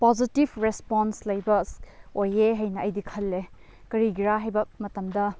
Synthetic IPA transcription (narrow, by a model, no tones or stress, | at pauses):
pozitibɾespɔnslɐjbɐojeɦɐjnɐɐjdikʰɐlːe | kɐɾiɡiɾaɦɐjbɐmɐtɐmdɐ